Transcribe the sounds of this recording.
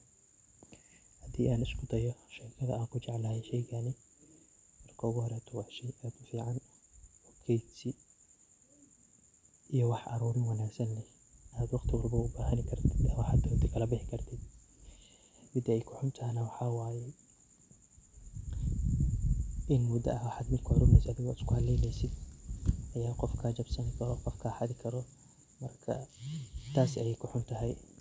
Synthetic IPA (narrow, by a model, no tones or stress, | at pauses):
hɐd̪iːʔaːnɪskʰʊd̪ɐjɔʃɛɾkʰɐðɐ̰aːŋkʰʊt͡ʃɛʕlɐhɛjʃɛjɣɐnɪ | mɐrkʰɐʊɣʊhɔɾɛːt̪ʰɔwɑʕʃɛjaːd̪ʊfiːʕɑnwɔkʰɛjsi | ijɔwɑħʔɑ̰ɾuːɾɪnwɑnaːɡsɐnɛh | ʔaːd̪wɑqt̪ʰɪwɑrbɐʊbaːɦɐnɪkʰɐrt̪ʰɪd̪ɐmɐħɑd̪ɐt̪ʰɪkʰɐlɐbɪħɪkʰɐrt̪ʰɪd̪ | mɪd̪ɛjkʰʊħʊnt̪ʰɐɦɛnɐwɑħɑwaːjɛ | ʔɪnmʊd̪ɐ̰ɐhwɑħɑd̪mɪd̪kʰɔɾʊmɛjsɐðɪɣːɪskʰʊhɐd̪lɛjmɛjsɪd̪ʔɐjaːqɔfkʰaːt͡ʃɐbsɐnɪkʰɐɾɔqɔfkʰaːħɑðɪkʰɐɾɔ | mɐrkʰɐ̰ | t̪ʰaːsɐjɛjkʰʊħʊnt̪ʰɐɦɛj